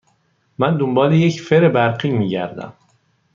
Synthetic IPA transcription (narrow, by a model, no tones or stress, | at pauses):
mænd̪ombɒːlejecfeɾebæɾɢiːmiːɟæ̰ɾd̪æ̰m